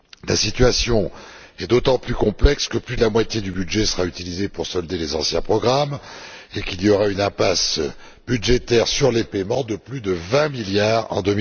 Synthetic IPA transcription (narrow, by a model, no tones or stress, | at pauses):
lasit̪ɥasjɔ̃ | ɛd̪ot̪ɑ̃plykɔ̃plɛkskəplyd̪əlamwat̪jed̪ybyd̪ʒesəʁayt̪ilizepuʁsɔld̪elezɑ̃sjɛ̃pχɔɡʁamekilijɔʁaynɛ̃pas | b̥yd̪ʒet̪ɛʁsyʁlepɛmɑ̃d̪əplyd̪əvɛ̃miljaːʁɑ̰̃d̪əmi